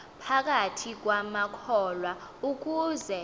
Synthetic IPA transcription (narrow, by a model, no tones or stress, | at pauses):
pʰak̬ʼatʰik̬wamakʰɔlwauk̬ʼuːzɛ